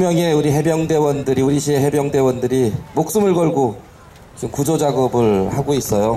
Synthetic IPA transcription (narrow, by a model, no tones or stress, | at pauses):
mjʌŋe̞uɾiɦe̞bjʌŋde̞wʌndɯɾiuɾiɕʰieɦe̞bjʌŋde̞wʌndɯɾimok̚s͈ɯmɯɭɡʌɭɡo | t͡ɕiɯmkud͡ʑod͡ʑaɡʌbɯɭhaɡois͈ʌjo